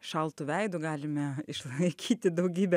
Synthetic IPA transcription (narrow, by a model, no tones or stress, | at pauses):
ʃɐlˠt̪uːʋʲɛɪd̪ʊɡɑːlʲɪmʲɛɪʃlˠɐɪkʲiːt̪ʲɪd̪ɐʊɡʲiːbʲɛ